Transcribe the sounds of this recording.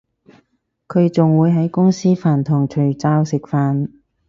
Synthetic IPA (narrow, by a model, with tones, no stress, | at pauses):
kʰɵ˨˧ɥt͡sʊ˨ŋwuː˨˧jɦɐ˨˥jkʊ˥ŋsiː˥faː˨˩nt̪ʰʊ˨˩ŋt͡ʃʰɵ˨˩ɥt͡saː˧wsɪ˨k̚faː˨˧n